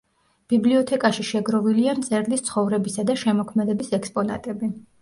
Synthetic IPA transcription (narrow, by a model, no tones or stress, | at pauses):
b̥ibliɔt̪ʰɛkʼaʃiʃɛɡɾɔviliant̪sʼɛɾlist̪sʰχɔvɾɛbisad̪aʃɛmɔkʰmɛd̪ɛbisɛkspʼɔna̰t̪ʼɛbi